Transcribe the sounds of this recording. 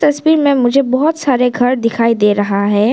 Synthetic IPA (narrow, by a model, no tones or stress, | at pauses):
t̪ɐswiːɾmẽmʊd͡ʒʱebɔɦʊt̪saːɾeɡʱɐɾd̪ɪkʰaːid̪eːɾɐɦaɦɛː